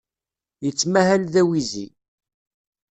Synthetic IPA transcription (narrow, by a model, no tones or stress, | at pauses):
jət͡sːmæhælðæwizḭ